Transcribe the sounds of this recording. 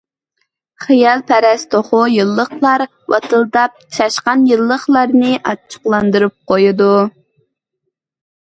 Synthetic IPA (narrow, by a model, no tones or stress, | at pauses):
χijɑlˠpʰɛɾɛst̪ʰoχʊjɨlˠːəχlˠɑɾ | wɑ̰t̪ʰɨlˠd̪ɑp̚ʃɑʃqɑnjɨlˠːəχlˠɑɾnɨʔɑt͡ʃʰːə̥qlˠɑnd̪ɨɾɨp̚qʰojud̪u